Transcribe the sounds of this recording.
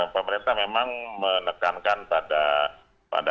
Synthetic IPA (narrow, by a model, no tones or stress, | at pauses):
pəməɾint̪amemaŋmənəkankanpada | pa̰da